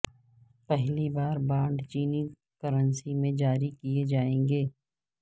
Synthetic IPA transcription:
pɛɦlibaːɾbãːɳɖt͡ʃiːni | kəɾənsimẽd͡ʒaːɾikied͡ʒaːẽːŋɡeː

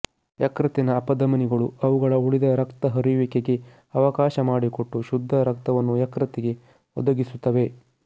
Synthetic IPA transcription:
jɐkɾɐt̪inɐːpɐd̪ɐmɐniɡɐɭuɐʋuɡɐɭɐuɭid̪ɐɾɐkt̪ɐɦɐɾiʋikeɡe̞ | ɐʋɐkaːʃɐmaːɽiko̞ʈːuʃud̪ʱːɐɾɐkt̪ɐʋɐnːujɐkɾɐt̪iɡe̞ | ɔd̪ɐɡisut̪ːɐʋe̞

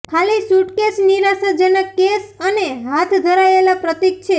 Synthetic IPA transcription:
kʰalisuʈkesniɾasad͡ʒənəkːesəneɦat̪ʰd̪ʱəɾaelapɾət̪ik̚t͡ʃʰe

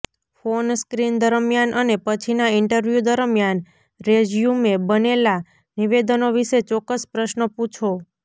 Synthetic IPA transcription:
fonskɾind̪əɾəmjanʔənepət͡ʃʰinaɪɳʈəɾʋjud̪əɾəmjan | ɾed͡ʒjumebənela | niʋed̪ənoʋiʃet͡ʃɔkːəspɾəʃnəput͡ʃʰo

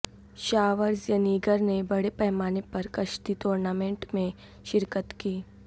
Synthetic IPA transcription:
ʃaːʋəɾzjəniːɡəɾnebɐɽepɛɦmaːnepɐɾkɐʃt̪it̪oːɾnaːmẽːɳʈmẽ | ʃɪɾkət̪kiː

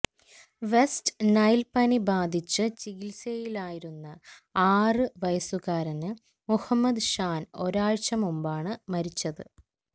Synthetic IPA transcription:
ʋe̞stnɐjlpɐnibaːd̪ʱit͡ɕːɨt͡ɕiɣilsejilaːjiɾunːɐaːrɨʋɐjɐsuɣaːɾɐnɨ | muhɐmːɐd̪ɕaːno̞ɾaːɻt͡ɕɐmumbaːɳɨmɐɾit͡ɕːɐðɨ

